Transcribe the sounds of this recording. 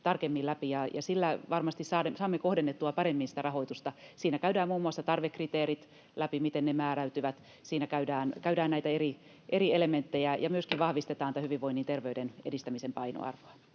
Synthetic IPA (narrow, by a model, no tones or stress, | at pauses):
t̪ɑrkemːilæpijɑjɑ̰silːæʋɑrmɑst̪issɑːesɑːmːekohdenːet̪ːuɑpɑɾemːinsi̥t̪ærɑhoit̪ust̪ɑsiːnækæydæːmmuːmːuɑsːɑt̪ɑrʋekːrit̪eːɾit̪ | læpimit̪ennemæːræyt̪yʋæt̪ | siːnækæydæːnkæydæːnnæit̪æeri | ʔerielement̪ːejæjɑmyøskiʋɑhʋist̪et̪ɑːnit̪æhyʋiʋʋoinːint̪erʋeydenedist̪æmisempɑino̰ɑ̰rʋoɑ